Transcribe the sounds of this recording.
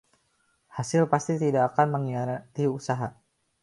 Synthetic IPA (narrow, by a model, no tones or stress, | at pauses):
hasɪlpast̪it̪idaːkanməŋiat̪iusaɦa